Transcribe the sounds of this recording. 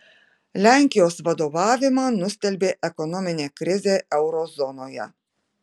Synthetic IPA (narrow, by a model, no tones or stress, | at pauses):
lʲæŋʲkʲɪjoːsʋɐd̪oːʋɑːʋʲɪmɑːnʊsʲt̪ʲɛlʲbʲeːʔɛkɔnɔmʲɪnʲeːkɾʲɪzʲeːʔɛʊɾɔzɔnoːjɛ̰